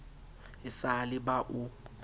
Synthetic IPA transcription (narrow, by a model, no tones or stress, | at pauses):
ɪsalɪbaʔʊ